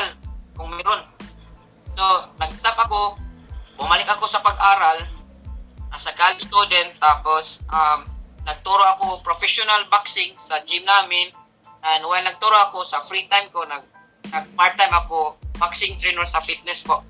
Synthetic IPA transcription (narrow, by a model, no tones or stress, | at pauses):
lkʊŋmajɾʊn | sonɐɡst̪ap̚ʔako | bʊmalɪk̚akosɐpaɡ̚ʔaːɾal | nasakaːlɪst̪ud̪ɛnt̪ːaposʔamnɐɡ̚t̪uɾoʔakopɾofɛʃʊnalbaksɪŋsad͡ʒɪmnaːmɪn | ʔanwaalnɐɡ̚t̪uɾoʔakosɐfɾit̪ajmkonaɡ̚ | nɐɡ̚paɹ̚t̪ajmakobaksɪŋt̪ɾɛnoɾsafit̪̚nɛspoʔ